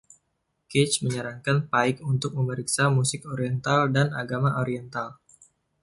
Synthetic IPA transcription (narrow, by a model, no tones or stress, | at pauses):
kɛt͡ʃməɲəɾaŋkanpaɪkunt̪ʊk̚məməɾiksamusɪkoɾiɛnt̪aldana̰ɡamaʔoɾiɛnt̪al